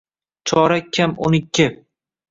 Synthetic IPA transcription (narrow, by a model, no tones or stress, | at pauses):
t͡ʃʰɒɾakʲʰːamonɪkʲʰːɪ